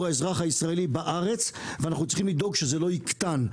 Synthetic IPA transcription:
ʁaezʁaχhaisʁaelibaʔaʁe̞t͡sveanaχnut͡si̥χimlid̪o̞ɡʃezelo̞ikt̪an

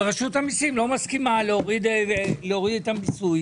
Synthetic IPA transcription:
ʁaʃuthamisimlo̞maskimaleoʁid̪veleoʁid̪it̪ambisuj

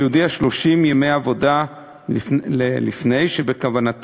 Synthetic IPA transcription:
ud̪iaʃlo̞ʃimjeme̞javo̞da | elḭfne̞jʃebe̞kavanat

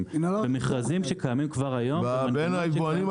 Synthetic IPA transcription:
mnvemeχʁazimʃekajamimkvaʁajo̞manbenaivoanim

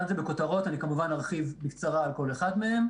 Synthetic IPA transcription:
anzebeko̞taʁo̞t̪anikamuvanaʁχivbikt͡saʁaːlko̞leχadmehem

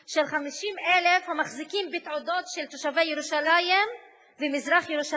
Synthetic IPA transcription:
ʃelχamiʃimʔelefhamaχzikimbit̪ʕod̪o̞t̪ʃelt̪oʃavejeɾuʃalajm | vemizʁaχjeɾuʃa

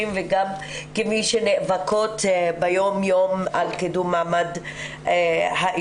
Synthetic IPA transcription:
imveɡam | kemiʃeneʔvakot̪bejomjomalked̪umːamad̪ | haʔ

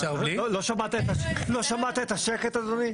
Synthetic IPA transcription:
aioloʃamat̪iet̪aloʃamat̪iet̪aʃeket̪ad̪oni

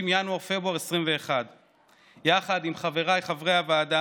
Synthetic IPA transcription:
imjanwaʁfe̞buaʁesʁimve̞ːχad̪ | jaχad̪imχave̞ʁajχavʁeaveaːd̪a

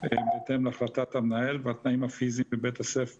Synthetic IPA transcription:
ebeːt̪emleaχlat̪at̪amnaelveat̪naimhafizimbebet̪asef

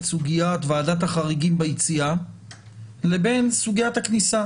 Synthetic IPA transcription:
suɡijat̪vaːdathaχaʁiɡimbajit͡sia | lebe̞nsuɡijat̪haknisa

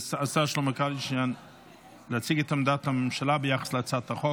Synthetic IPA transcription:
sasaʃluməkalɪʃan | lat͡siɡətamdatamʃalabɪjaχə̥slɪat͡sataχɔ

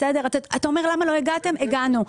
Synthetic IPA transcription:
sede̞ʁataatao̞me̞ʁlamalo̞eɡate̞meɡanu

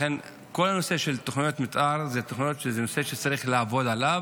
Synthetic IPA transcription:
en | ko̞lano̞se̞ʃelt̪oχnijo̞t̪mitʔaʁzet̪oχnijot̪ʃezeno̞se̞ʃet͡saʁiχlaːvo̞d̪alav

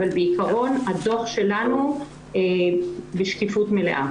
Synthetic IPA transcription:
albeikaʁo̞nhadoχʃe̞lanu | beʃkifutmele̞̰ʔa

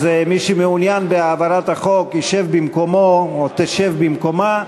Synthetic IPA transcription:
zemiʃumeunjanbeaːvaɾat̪haχo̞kiʃevbimko̞moot̪eʃevbimko̞ma

